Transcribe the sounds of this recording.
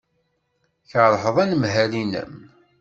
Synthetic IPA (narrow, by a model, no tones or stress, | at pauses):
çəɾˤħəðˤænəmɦælinə̰m